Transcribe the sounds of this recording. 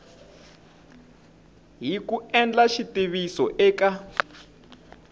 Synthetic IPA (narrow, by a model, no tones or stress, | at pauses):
ɦikuɛnd͡ɮaʃitiβisɔʔɛːka